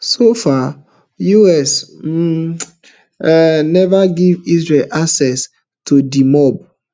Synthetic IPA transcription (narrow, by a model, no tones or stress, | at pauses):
sofa | juɛs | nɛvaɡivisɹelʔasɛs | tʰudimɔb̚